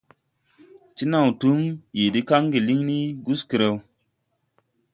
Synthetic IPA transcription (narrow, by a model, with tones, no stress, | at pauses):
t͡ʃi˦na˨wtu˦mji˨di˦ka˦ŋɡi˨li˦ŋni˦ɡu˦ski˨ɾe˦˨w